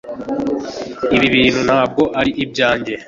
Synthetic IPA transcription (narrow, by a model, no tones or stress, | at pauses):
iβiβiːn̤̥unhaːb̚ɡo̞ʔaɾiʔib̚ɟaːɲɟe̞